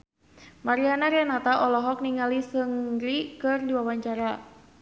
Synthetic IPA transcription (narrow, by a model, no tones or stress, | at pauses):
maɾianaɾanat̪aʔɔlɔɦɔk̚niŋalisəŋɾikɨrdiwawaɲt͡ʃaɾa